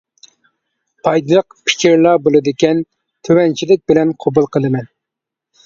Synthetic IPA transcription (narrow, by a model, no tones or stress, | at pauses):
pʰɑjd̪ɨlˠəq̚pʰɪ̥kʲiɾlˠɑbolˠɨd̪ɪkʲɛn | t̪ʰøwɛnt͡ʃʰilɪk̚ʲbɪlɛnqʰobulˠqʰəlˠɨmɛn